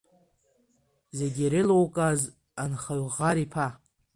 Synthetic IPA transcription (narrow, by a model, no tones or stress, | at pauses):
zeɡʲiɾelowkʼaz | anχaɥʁaɾipʰa